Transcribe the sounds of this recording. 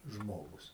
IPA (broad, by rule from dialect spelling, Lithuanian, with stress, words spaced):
ˈʒmoːɡʊs